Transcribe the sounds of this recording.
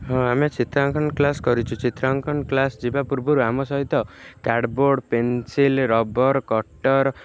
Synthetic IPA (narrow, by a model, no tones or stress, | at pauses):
ɦɔ̃amet͡ʃit̪ɾaŋkʰɔnklaskɔɾit͡ʃʰut͡ʃit̪ɾaŋkʰɔnklasd͡ʒibapuɾbɔɾuamɔsɔɦit̪ɔkaɖboɖpensilɾɔbɔɾkɔʈɔɾ